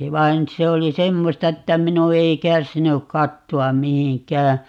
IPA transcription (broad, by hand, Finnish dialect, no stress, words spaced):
ʋɑin se oli semːostɑ etːæ minu ei kærsinyk kɑtːoɑm mihiŋkˑæː